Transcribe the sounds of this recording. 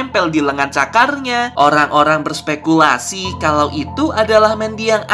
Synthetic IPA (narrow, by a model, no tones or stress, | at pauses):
mpɛldiləŋant͡ʃakarɲaʔoɾaŋʔoɾaŋbərspekulasikalawʔit̪uʔadalahmɛndiaŋ